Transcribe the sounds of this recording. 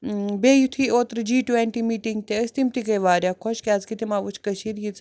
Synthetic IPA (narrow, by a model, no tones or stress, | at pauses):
beːjut̪ʰioːt̪ɾd͡ʒiːʈʋeɳʈimiːʈiŋɡ̚t̪eəst̪imt̪ikɐjʋaːɾʲjaːkʰoʃkʲaːzkit̪ʰimaːʋut͡ʃʰkəʃʰiɾjit͡s